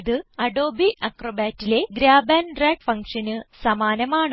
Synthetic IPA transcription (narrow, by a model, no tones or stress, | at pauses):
ðɨɐɖo̞ːbiʔɐkrobaːtːile̞ɡɾaːbaːnreːɖfɐŋkʂɐnɨsɐmaːnɐmaːɳ